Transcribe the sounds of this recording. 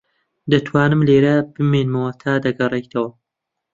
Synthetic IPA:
d̪ɐt̪ʰwaːnɨmleːɾɐbɨmeːnmɐwɐt̪ʰaːd̪ɐɡɐrˤekd̪ʰɐwɐ

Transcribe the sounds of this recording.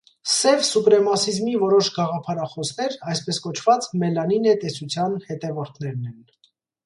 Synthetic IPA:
sɛvsupɾɛmɑsizmivɔɾɔʃɡɑʁɑpʰɑɾɑχɔsnɛɾɑjspɛskɔt͡ʃʰv̥ɑt͡smɛlɑninɛt̪ɛsut͡sʰjɑnhɛt̪ɛvɔɾt̪ʰnɛɾnɛn

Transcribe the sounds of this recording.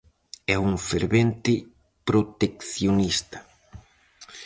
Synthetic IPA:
ɛuŋfeɾβent̪ɪ | pɾot̪ekθjonist̪ɐ̥

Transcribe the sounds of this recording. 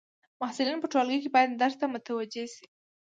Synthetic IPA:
mahsɪlinpəʈwalɡəjkebɑjad̪ːaɾt̪amʊt̪awad͡ʒesi̥

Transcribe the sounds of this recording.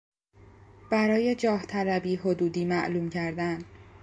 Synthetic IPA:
b̥æɾɒːje̞d͡ʒɒːht̪ʰælæbiːɦod̪uːd̪iːmæʔluːmcʰæɾd̪æn

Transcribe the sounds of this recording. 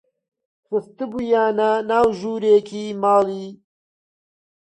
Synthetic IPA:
sɐst̪ibujaːnanaːwʒuːɾeːkʰiːmaːliː

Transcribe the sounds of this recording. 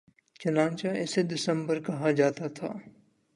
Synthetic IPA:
t͡ʃɐnãːnt͡ʃaɛsed̪ɪsə̃mbəɾkɐɦad͡ʒaːt̪at̪ʰa̰ː

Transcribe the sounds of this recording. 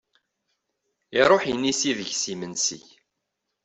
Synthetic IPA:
iɾˤoħjənːisiðəʝsimənsḭç

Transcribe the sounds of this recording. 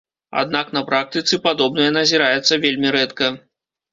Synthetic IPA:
a̰d̪naknɐpɾak̚t̪ɨt̪sɨpad̪ɔbnɨjɐnɐzʲiɾajɛt̪sːɐvʲelʲmʲiɾɛt̪kɐ

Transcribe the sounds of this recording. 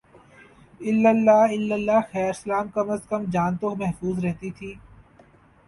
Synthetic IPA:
ɪlːəlːaɪlːəlːaxɛːɾsəlaːmkɐməskəmd͡ʒaːnt̪omɛɦfuːzɾɛɦt̪it̪ʰiː

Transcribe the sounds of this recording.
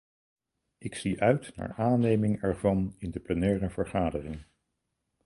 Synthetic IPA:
ʔɪksiʔœɥtna̰ːɹʔaːnejmɪŋɛɹvɑnɪndəplənɛːrəv̥əɹχaːdərɪŋ

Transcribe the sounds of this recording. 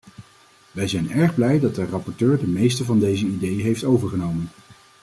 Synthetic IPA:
ʋɛjzɛjnɛɹχblɛjdɑt̚dərɑpɔɹtøːɹdəmejstəvɑndejzəidejəɦejftowvəɹχənowmən

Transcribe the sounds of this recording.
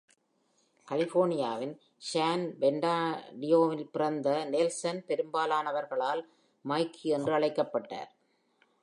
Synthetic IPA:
kɐlɪfoːɾɳɪjaːʋɪn | ʃaːnbɛɳɖaːɖɪjoːʋɪlpɪrɐnd̪ɐneːlsɐnpɛɾɯmbaːlaːnɐʋɐɾɣɐɭaːl | mɐɪkʰːiɛndrɯɐɭɐɪkːɐpːɐʈːa̰ːɾ

